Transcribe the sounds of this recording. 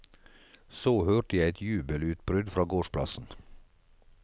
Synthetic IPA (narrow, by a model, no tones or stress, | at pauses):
soːhøːʈəjæɪɛt̪ʰjʉːbəlʉːt̪bɾʏd̪fɾɑːɡoːʃpʰlɑ̰sn̩